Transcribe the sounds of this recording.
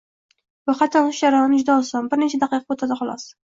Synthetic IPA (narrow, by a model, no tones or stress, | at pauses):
bʊqɑt̪ʰɒnʊʃjaɾɒɪnɪd͡ʒd̪ɒɒlˠsambɪɾnet͡ʃʰad̪ɑqʰɨjqɑbot̪ʰad̪ɪχɒlˠɒ̰s